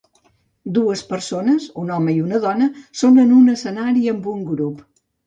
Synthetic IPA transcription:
d̪uəspəɾsonəzunɔməiunəðɔnəsonənunəsənaɾiəmbuŋɡɾup

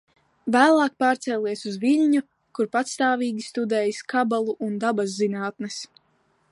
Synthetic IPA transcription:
væːlˠaːk̚paːɾt̪sɛlʲiɛsuzviʎʲɲu | kuɾpat̪st̪aːvʲiːɡʲist̪ud̪ɛːjskʰabalˠuʔund̪abazːinaːt̪nɛs

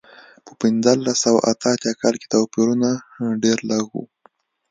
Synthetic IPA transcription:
pə̥pɪnzəlːasawa̰ʔat̪əat̪jakɑlke̥t̪awpiɾunaɖeɾlaɣṵ

